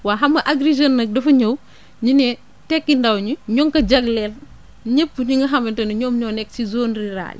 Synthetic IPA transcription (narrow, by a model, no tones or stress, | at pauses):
waːɦɐmɐʔɐɡɾiʒɐnːɐk̚dɐfɐɲow | ɲinɛ | tɛkːindɐwɲuɲɔŋkɐɟɐɡlɛl | ɲəpːɲiŋɡɐɦɐmɐntɐnɐɲɔːmɲɔːnɛk̚ːsizoːnriɾa̰ːl